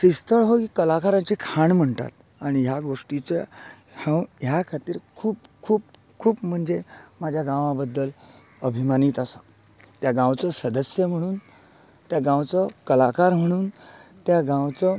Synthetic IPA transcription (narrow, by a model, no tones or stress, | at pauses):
sist̪əɭɦokikəlakaɾãɲt͡ɕiːkʰaɳm̤əɳt̪a̰t̪ | aɽ̃iɦjaɡoʂʈit͡sə | hãwɦjakʰat̪iːɾkʰuːpkʰuːp | kʰuːpm̤əɳd͡zemad͡ʑʱjaɡãʋãbəd̪ːəl | əbʱimaniːt̪asa | t̪jaɡãwt͡sɔsəd̪əsjəm̤əɽ̃uːn | t̪jaɡãwt͡sɔkəlakaɾm̤əɽ̃uːnt̪jaɡãwt͡sɔ